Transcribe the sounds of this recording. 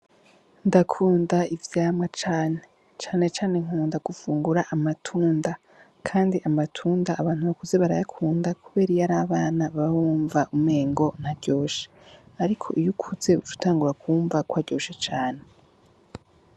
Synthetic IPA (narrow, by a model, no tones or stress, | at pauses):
ndakʰuːndaivjaːmŋat͡ʃaːne | t͡ʃaːne̞t͡ʃaːne̞ŋ̥uːndaɡ̥ufuːŋɡuɾaʔamatʰuːnda | kʰaːndiʔamatʰuːndaːβaːn̥huβakuze̞βaɾa̰jakʰuːndakʰuβe̞ːɾijaɾaːβaːnaβahuːɱvaʔumŋe̞ːŋɡo̞n̥aɾɟo̞ːʃe̥aɾikʰo̞̰ʔijukʰuze̞ut͡ʃu̥taːŋɡuɾakuːɱvakwaɾɟo̞ːʃet͡ʃaːne